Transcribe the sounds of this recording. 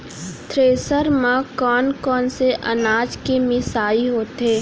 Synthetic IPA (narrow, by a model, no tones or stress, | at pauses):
t̪ɾeːsəɾmãkɔːnkɔːnseʔɐ̰naːd͡ʒkemɪsaːiɦoːt̪eː